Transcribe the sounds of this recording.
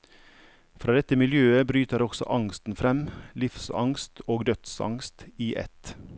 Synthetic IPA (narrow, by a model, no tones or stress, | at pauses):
fɾɑːd̪ɛt̪əmɪljøːəbɾyːt̪əɾɔɡ̥sɔ̰ʔɑŋst̪n̩fɾɛmlɪfsɑ̰ŋst̪oːɡd̪œt̪sɑ̰ŋst̪iːʔɛ̰t̪